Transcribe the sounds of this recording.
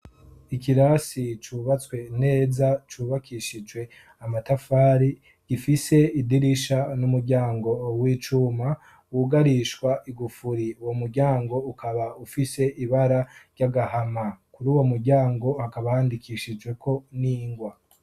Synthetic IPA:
ikiɾasit͡ʃuːβat͡swe̞ne̞ːzat͡ʃuːβakʰiʃid͡ʒwe̞ | amatafaːɾi | ɡ̥ifise̞idiɾiʃanumuɾɟaːŋɡo̞wiːt͡ʃuːma | wuɡaɾiʃwaʔiɡufuɾiwomuɾɟaːŋɡo̞ukʰaβaufise̞ʔiβaɾaɾɟaɡahamakuɾuːwo̞muɾɟaːŋɡo̞hakaβahaːndikʰiʃid͡ʒɡwe̞kʰo̞niːŋɡwa

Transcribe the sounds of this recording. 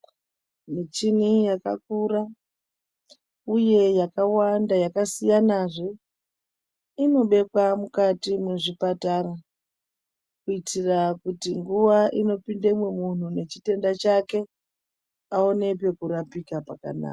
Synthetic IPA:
mit͡ʃinijaka̰k̚ura | uje̞jakawandajakasijanaʐe̞ | ino̞ɓe̞kwamukatimweʐipataɾa | kuitirakutiŋɡuʋaʔino̞pindemwe̞mun̤une̞t͡ʃite̞ndat͡ʃake̞ | ao̞ne̞pe̞kuɾapikapaka̰na̰ka

